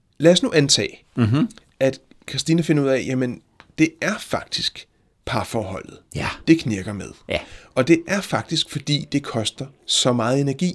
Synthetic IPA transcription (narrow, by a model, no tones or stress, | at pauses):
læːɒsnuʔænt͡sʰɛ̰ː | æd̥ | kʰɑsd̥iːnəfe̝nɐuð̰ˠɛjæmen | d̥e̝æɐfɑ̈ɡ̥̚d̥isɡ̥ | pʰɑ̈fɒːhɒ̽l̰ð̩ˠd̥e̝kʰneɐɡ̥ɐmeð̞ˠʔɒ̽d̥e̝ʔæɐfɑ̈ɡ̥̚d̥isɡ̥fɒ̽d̥ḭːd̥e̝kʰɒ̽sd̥ɐsɒ̽mɑ̈ːð̞̩ˠe̝næɐɡ̥ḭː